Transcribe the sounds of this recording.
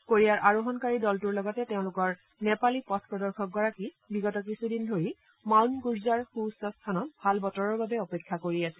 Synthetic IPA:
koɹiaɹʔaɹoɦɔnkaɹidɔltuɹlɔɡɔtɛteʊ̃lʊkɔɹ | nɛpalipɔtʰpɹɔdɔɹxʰɔk̚ɡɔɹaki | biɡɔtɔkisudindʱoɹi | mawnɡuɹzaɹxusɔstʰanɔtbʱalbɔtɔɹɔɹbabɛɔpekʰːakoɹiasɛ̥

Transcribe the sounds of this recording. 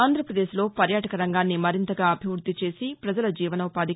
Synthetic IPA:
aːnd̪ʱɾɐpɾɐd̪e̞ːʃlo̞ːpɐɾjaːʈɐkɐɾɐŋɡaːnːimɐɾint̪ɐɡaːɐbʱiʋɾud̪ʱːit͡ʃe̞ːsipɾɐd͡ʒɐlɐd͡ʒiːʋɐnɐʋɐpaːd̪i

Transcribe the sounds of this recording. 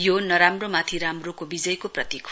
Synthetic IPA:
jonʌɾamromat̪ʰiɾamrokobid͡zʌjkoprʌt̪ikʰ

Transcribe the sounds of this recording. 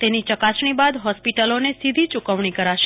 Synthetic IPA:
t̪enit͡ʃəkasɳ̃ibad̪ɦɔspiʈəlonesid̪ʱit͡ʃukəʋɳikəɾaʃe

